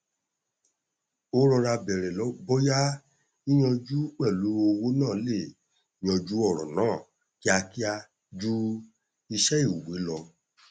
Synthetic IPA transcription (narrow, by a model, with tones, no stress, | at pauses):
o˦ɾɔ˧ɾa˧bɛ˨ɾɛ˨lɔ˨˦bɔ˦ja˦ | i˦j̃ɔ̃˧d͡ʒu˦k͡pɛ˦˨lu˨˦o˧wo˦nãː˦˨˦le˦˨˦ | j̃ɔ̃˧d͡ʒu˦ɔ˦˨ɾɔ̰˨nãː˦˨ | ki˦a˧ki˦a˧ | d͡ʒu˦ | i˧ʃɛ˦i˦˨u˨we˨˦lɔ˧